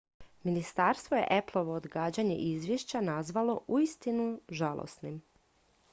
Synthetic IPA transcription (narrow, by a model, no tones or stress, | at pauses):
minist̪aːɾst̪ʋo̞je̞̰ʔeplˠo̞ʋood̪ɡaːd͡ʑaɲe̞̰ʔizʋʲjeʃt͡ɕanazʋalˠo̞ʔuist̪inuʒalˠo̰snim